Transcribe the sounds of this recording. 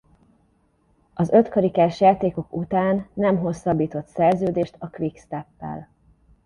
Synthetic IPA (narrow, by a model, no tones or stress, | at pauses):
ɒzø̞t̪kɒɾikaːʃjaːt̪eːko̞kut̪aːnːɛmɦo̞sːɒbːiːt̪o̞t̪sɛrzøːd̪eːʃt̪ɒklikst̪ɛpːɛ̰l